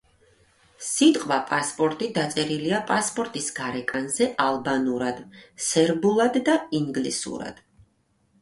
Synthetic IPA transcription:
sit̪ʼqʼwapʼaspʼɔɾt̪ʼid̪at̪sʼɛɾiliapʼaspʼɔɾt̪ʼisɡ̥aɾɛkʼanzɛʔalˠbanuɾad̪sɛɾbulˠad̪ːaiŋɡlisṵɾa̰d̪̥

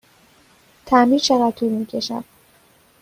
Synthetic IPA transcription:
t̪ʰæmiːt͡ʃʰeɣæd̪̚t̪ʰuːlmiːcʰeʃæ̰d̪̥

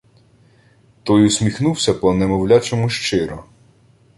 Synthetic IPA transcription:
t̪ɔjusʲmʲixnuwsʲɐpɔnɛmɔwlʲat͡ʃɔmʊʃt͡ʃɪɾɔ

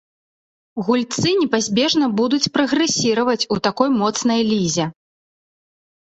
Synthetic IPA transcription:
ɣulʲt̪sɨnʲɛpazʲbʲɛʐnɐbud̪ut͡sʲpɾɐɣɾɛsʲiɾɐvɐt͡sʲut̪akɔjmɔt̪snɐjlʲizʲɛ

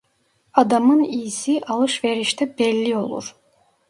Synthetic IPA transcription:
ad̪amɯnijsiʔalˠɯʃveɾiʃt̪ʰɛbɛlʲːio̞lˠṵɾ̥

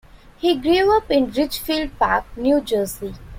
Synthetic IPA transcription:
hiːɡɾĩːmʌpɪ̃nɾɪt͡ʃfiːlɖ̚paːk̚njuːd͡ʒəːsi

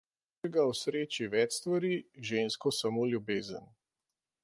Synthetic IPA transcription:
ɛɡawsɾeːt͡ʃiʋɛt͡ʃst̪ʋaɾiʒeːnskɔsamoːlʲjubeːzən

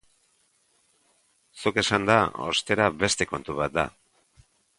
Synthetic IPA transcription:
suke̞sand̪ao̞̰st̪e̞ɾaβe̞st̪e̞ko̞nt̪uβ̞at̪̚d̪a̰

